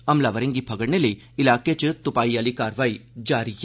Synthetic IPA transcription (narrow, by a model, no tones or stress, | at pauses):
ɐmlaʋəɾẽŋɡipʰɐɡəɽneləi | ɪlaːket͡ʃt̪ʊpaːijaːlikaːɾʋaːid͡ʒaːɾij